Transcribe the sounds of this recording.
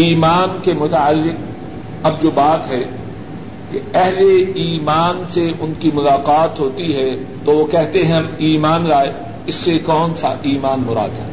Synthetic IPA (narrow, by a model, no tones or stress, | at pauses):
iːmaːnkemʊt̪aːəlːɪq | ɐb̚d͡ʒoːbaːt̪ɦɛ | keɛɦleiːmaːnseʔʊnkimʊlaːqaːt̪ɦoːt̪iɦɛ | t̪oʋokɛɦt̪eɦɛ̃iːmaːnɾaːe | ɪsːekɔːnsa̰ʔiːmaːnmʊɾa̰ːd̪ɦɛː